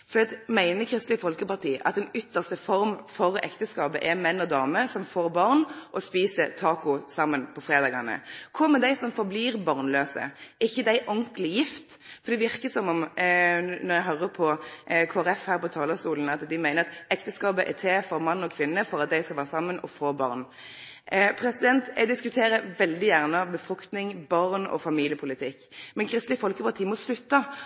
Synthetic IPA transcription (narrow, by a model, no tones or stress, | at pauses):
fɔd̪ɛɑt̪mæɪnəkʰɾɪst̪lɪfɔlkəpɑʁt̪ʰiːʔɑ̰t̪ɛnʏt̪ʰːəʁst̪əfɔɾmfɔɾɛ̰kt̪əskɑːpəʔɛmɛnːɔd̪ɑːməsɔmfoːɾbɑʁnʔɔspiːsət̪ʰɑːkʊsɑmːənpʰɔfɾeːd̪ɑːɡɑnə̰kʰʊməd̪æɪsɔmfɔbliːɾbɑʁnløːsə̰ɪçːəd̪æɪʔɔŋklɪjɪft̪ | fɔɾd̪ɛʋɪɾkəsɔmɔm | nɔɾjæɪɦœɾəpʰɔkʰoːæɾɛfhæːɾpʰɔt̪ʰɑːləsuːln̩ɑt̪d̪ɪmæɪnəɾɑt̪ɛkt̪əskɑːbəʔɛ̰t̪ʰeːfɔɾmɑnːɔkʰʋɪnːəfɔɾɑt̪̚d̪æɪskɑlʋæːʁəsɑmːənɔ̰foːbɑ̰ːʁn | pʰɾɛsɪd̪ɛnt̪æd̪ɪskʉt̪ʰeːɾəʋɛld̪ɪjæʁnəbəfʁʉkt̪nɪŋbɑʁnɔ̰fɑmiːlɪjəpʰʊlɪt̪ʰɪkːmɛnkʰɾɪst̪lɪəfɔlkəpʰɑʁt̪ʰiːmɔslʉt̪ːə